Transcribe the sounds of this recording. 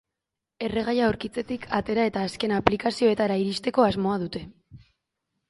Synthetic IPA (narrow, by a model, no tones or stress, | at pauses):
e̞re̞ɣ̞ajaoɾkit͡se̞t̪ikʰat̪e̞ɾae̞t̪aːske̞naplikasio̞e̞t̪aɾaiɾist̪e̞ko̞azmo̞að̞ut̪e̞